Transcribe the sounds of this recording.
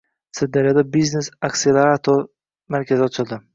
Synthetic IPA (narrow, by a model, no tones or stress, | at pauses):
sɪd̪d̪ːaɾjɔd̪abiznesakʲsijalaɾat̪ʰɔ | maɾkʲʰazɪɒt͡ʃʰɪlˠd̪ɪ